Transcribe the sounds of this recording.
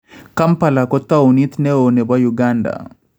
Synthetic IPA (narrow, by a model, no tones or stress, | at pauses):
kampalakɔt̪ːaunit̪nɛonɛbwajuɡanda̰